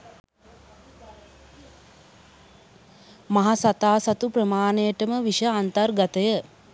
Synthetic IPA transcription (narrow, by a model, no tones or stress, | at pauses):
maɦasat̪aːsat̪upɾəmaːnejəʈəməʋiʃəant̪ərɡat̪əjə